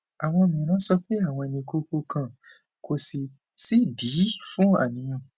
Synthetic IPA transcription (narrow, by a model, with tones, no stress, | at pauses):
a˨w̃ɔ̃˧mĩ˨ɾ̃ã˦sɔ˧k͡pe˦a˦˨w̃ɔ̃˧e˧nĩ˧ko˦ko˧kã˦˨ | kʰo˧si˧ | si˦di˨˦fũ˦a̰˦˨nĩ˨˧jã˧˨